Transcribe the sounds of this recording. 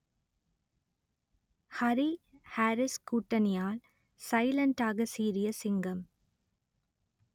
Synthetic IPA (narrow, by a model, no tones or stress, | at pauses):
hɐɾihaːɾɪskuːʈːɐnɪjaːl | sɐɪlɐɳʈaːɣɐsiːɾɪjɐsɪŋɡɐm